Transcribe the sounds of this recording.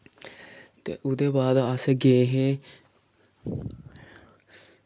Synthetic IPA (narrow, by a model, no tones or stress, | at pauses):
t̪ḛːʔʊd̪eːbaːd̪aseːɡeːɦeː